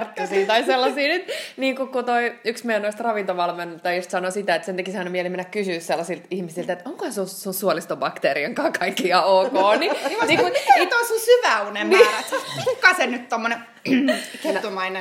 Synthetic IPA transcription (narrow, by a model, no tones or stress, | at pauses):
rt̪ːusiːt̪ɑiselːɑsiːnyt̪niːŋkukut̪oiyksmeijænoist̪rɑʋint̪oʋɑlment̪ɑijust̪sɑnosit̪æet̪sent̪ækisemːonemielemenːækkysyːsselːɑsilt̪ihmisilt̪et̪oŋkohɑsusunsuolist̪obɑkt̪eːɾiɑŋkɑːkʰɑikːiɑoːkoːniniːkunit̪oisusyʋæunemiræsmikːɑˑsenyt̪t̪omːone | ket̪umɑine